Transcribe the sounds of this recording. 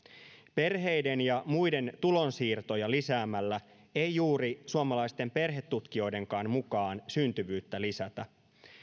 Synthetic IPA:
pe̞rɦe̞jde̞njɑmujde̞nt̪ulo̞nsiːrt̪o̞jɑlisæːmælːæ | e̞jjuːɾisuomɑlɑjst̪e̞mpe̞rɦe̞t̪ːut̪k̟io̞jde̞ŋkɑːnmukɑːnsynt̪yʋyːt̪ːælisæt̪æ

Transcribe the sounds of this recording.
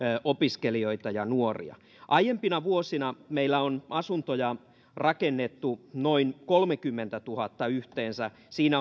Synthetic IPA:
ʔopiskelioit̪ɑjɑnuorḭɑ̰ | ʔɑijempinɑʋuosinɑmeilːæonʔɑsunt̪ojɑ | rɑkenːet̪ːunoinkolmekymːent̪æt̪uhɑt̪ːɑyht̪eːnsæ | siːnæ

